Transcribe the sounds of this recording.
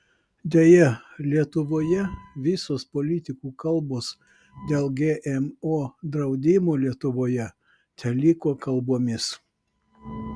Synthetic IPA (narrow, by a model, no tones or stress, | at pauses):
d̪ʲɛjɛlʲiɛt̪ʊʋoːjɛʋʲɪsoːspoːlʲɪt̪ʲɪkuːkɐlˠboːs | d̪ʲeːlˠɡʲeːʔɛmoːd̪ɾɐʊd̪ʲɪmoːlʲiɛt̪ʊʋoːjɛ | t̪ʲɛlʲɪkoːkɐlˠboɔmʲɪs